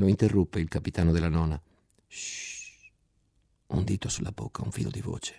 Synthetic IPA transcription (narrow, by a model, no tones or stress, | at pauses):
loint̪erːupːeilkapit̪aːnod̪elːanɔna | ʃ | und̪iːt̪osulːabo̰kʰːauɱfḭlo̰d̪ivo̰ːt͡ʃe̥